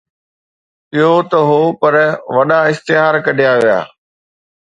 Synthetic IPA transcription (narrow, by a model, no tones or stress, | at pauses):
ɪɦot̪ɐɦoːpɐɾʋɐɗaɪst̪ɪɦaːɾkɐɖʱijaʋija̰ː